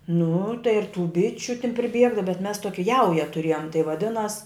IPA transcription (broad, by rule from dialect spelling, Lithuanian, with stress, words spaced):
nʊ tɐɪ ɪr tuː ˈbʲɪt͡ʃʲʊ tʲɪn pʲrʲɪˈbʲiɛɡɐ bʲɛt mʲɛs toːkʲɪ ˈjɛʊjɛ tʊˈrʲeːjoːm tɐɪ ʋɐˈdʲɪnɐs